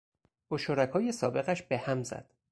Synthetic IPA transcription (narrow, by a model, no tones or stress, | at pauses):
boʃoɾækʰɒːje̞sɒːbe̞ɣæʃb̥e̞hæmzæ̰d̪̥